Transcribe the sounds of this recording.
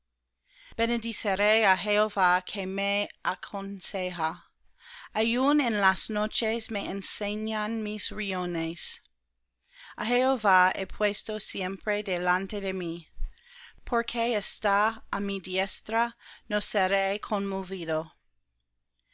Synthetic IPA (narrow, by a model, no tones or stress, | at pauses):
b̥enediseɾejaɦeovakʰemeakʰonseɦa | ajunenlasnot͡ʃesmeenseɲanmisɾiones | aɦeovaepʰwestosjempɾedelant̪edemi | pʰoɾkʰeestaːmidiest̪ɾanoseɾejkʰonmoviðo